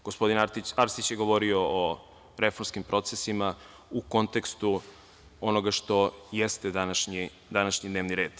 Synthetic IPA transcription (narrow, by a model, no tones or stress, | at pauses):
ɡ̥ospo̞d̪inaiaɾsit͡ɕjeɡo̞ʋo̞ɾioo | ɾe̞foɾmskimpɾo̞t̪sesima | uko̞nt̪e̞kst̪u | ono̞ɡaʃt̪o̞jest̪ed̪anaʃɲi | d̪anaʃɲid̪neːʋniɾe̞ːd̪̥